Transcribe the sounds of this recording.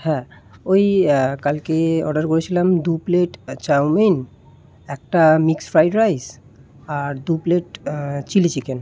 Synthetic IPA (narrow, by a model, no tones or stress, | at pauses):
hɛ̃ojkalkeɔ̰ɖaɾkoɾet͡ɕʰilamd̪upleʈt͡ɕawmen | ɛk̚ʈamiksfɾajɖɾajs | aɾd̪upleʈt͡ɕilit͡ɕiken